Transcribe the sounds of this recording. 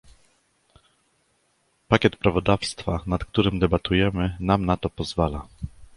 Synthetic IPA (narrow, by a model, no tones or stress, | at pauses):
pakʲɛt̪pɾavɔd̪afst̪fanat̪k̚t̪uɾɘmd̪ɛbat̪ujɛmɘnamnat̪ɔpɔzvala